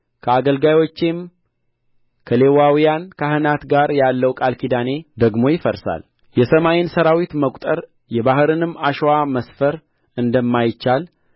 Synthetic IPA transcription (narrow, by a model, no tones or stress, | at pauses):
kʰəaɡəlɡajwo̞t͡ʃːem | kʰəle̞wawijankʰahɨnat̪ɡaɾjalːəwkʼalkʰid̪ane̞d̪əɡmo̞jɪfəɾsa̰l | jɛsəmajɪnsəɾawit̪məkʼt̪ʼəɾ | jɛbaɦɨɾɨnɨmːaʃwaməsfəɾ | ɨnd̪əmːajt͡ʃːal